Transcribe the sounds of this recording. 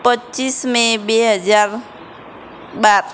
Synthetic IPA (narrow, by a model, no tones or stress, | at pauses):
pətːt͡ʃismẽbeɦəd͡ʒaːɾ | baɾ